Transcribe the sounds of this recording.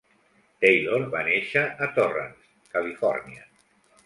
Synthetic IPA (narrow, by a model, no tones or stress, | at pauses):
t̪ejloɾβaneʃəʔːt̪orə̰ns | kəlifɔ̰ɾnia